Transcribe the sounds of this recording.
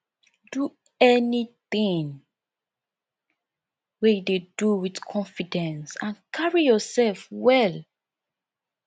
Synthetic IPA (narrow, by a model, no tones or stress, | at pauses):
du | ɛniθĩŋ | wededuwiθkʰɔ̃nfidɛ̃nsãnkʰaɹijɔsɛlfwɛl